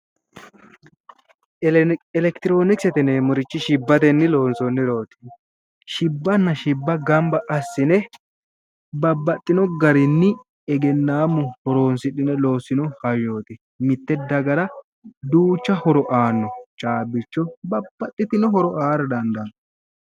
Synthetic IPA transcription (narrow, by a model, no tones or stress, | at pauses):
ɛlɛkt̪ɪɾo̞ːnɪksɛt̪ɛnemʊɾɪt͡ʃːɪʃɪbːɐt̪ɛnːɪlo̞ːnsɔnːɪlo̞ːt̪ɪ̥ | ʃɪbːɐnːɐʃɪbːɐɡɐmbɐʔɐsːɪnɛ | bɐbːɐt̪ʼːɪnɔɡɐɾɪnːɪ | ɛɡɛnːaːmːʊhɔɾoːnsɪᶑɪnɛlo̞ːsɪnɔhɐjːo̞ːt̪ɪ | mɪt̪ːɛd̪ɐɡɐɾɐ | d̪uːt͡ʃːɐhɔɾɔʔaːnːɔt͡ʃʼaːbɪt͡ʃːɔbɐbːɐt̪ʼːɪt̪ɪnɔɦɔɾɔʔaːɾɐd̪ɐnd̪ɐnːɔ